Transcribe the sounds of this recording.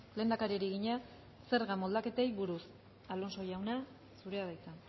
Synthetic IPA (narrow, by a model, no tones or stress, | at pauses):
le̞nd̪akaɾieɾiɣiɲa | se̞ɾɣamo̞ld̪ake̞t̪e̞jβuɾus | alo̞nso̞jawna | suɾe̞aðajt͡san